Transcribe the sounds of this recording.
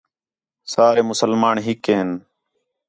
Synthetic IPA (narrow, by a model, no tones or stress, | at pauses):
saːɾeːmʊsəlmaːɳɦɪkeːɦɪn